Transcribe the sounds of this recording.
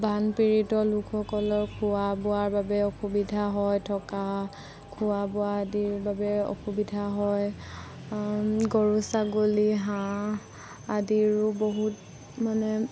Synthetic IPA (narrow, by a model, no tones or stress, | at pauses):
bʱanpiɹitɔlukʰɔkɔlɔkʰuabɔaɹbabɛɔxubidʱaɦɔjtʰɔka | kʰuwabɔaadiɹbabɛo̰xubidʱaɦɔj | ɡɔɹusaɡoliɦã | adiɹʊboɦut | manɛ